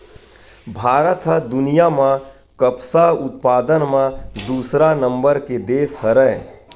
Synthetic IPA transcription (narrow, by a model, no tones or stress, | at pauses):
bʱaːɾət̪ɦəd̪ʊnijamã | kəpsaʊt̪̚paːd̪ənmãd̪uːsɾanə̃mbəɾked̪eːshəɾə̃